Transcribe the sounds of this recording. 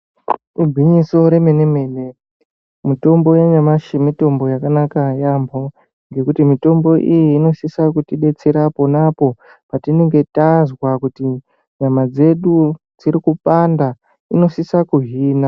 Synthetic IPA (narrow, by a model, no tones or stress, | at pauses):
rubʱiɲiso̞ɾemeneme̞ːle | mito̞mbo̞jeɲamaʃemito̞mbo̞jakanakajambʱo̞ | ŋɡe̞kutimito̞mbo̞ʔijiːno̞sisakutiɗe̞t͡se̞ɾapo̞napo̞ | patineŋɡe̞tazwakuti | ɲamad͡ze̞ɗu | d͡ziɾikupanda | ino̞sisakuɦiːna